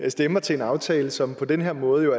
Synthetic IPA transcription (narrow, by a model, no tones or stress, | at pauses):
jsd̥emɐt͡sʰe̝e̝nɑ̈ʊt͡sʰɛːləsɒ̽mpʰɒ̽d̥enɦeɐmɔ̽ːð̞̩ˠjo̝æ